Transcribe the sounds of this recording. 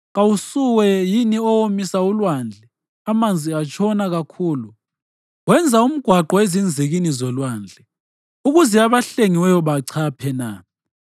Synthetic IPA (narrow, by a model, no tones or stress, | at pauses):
ɣawusuwɛjiniɔwomisaulwand͡ɮʱɛ | amand͡zʱiat͡ʃʰʼɔnaɣakʰuːlu | wɛnd͡zʱaum̩ɡ̥ʱwaǃɔezind͡zʱiɣinizɔlwand͡ɮʱɛ | uɣuzɛaβaɬeŋiwɛjɔβaǀʰapʰɛna